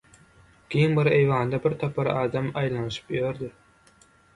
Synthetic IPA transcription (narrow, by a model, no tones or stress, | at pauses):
kʲʰejinbɪɾejvɑːnd̪ɑbɪɾt̪ʰɑpʰɑɾɑːd̪ɑmɑjlˠɑnɨʃɯ̥pjøɾd̪ɪ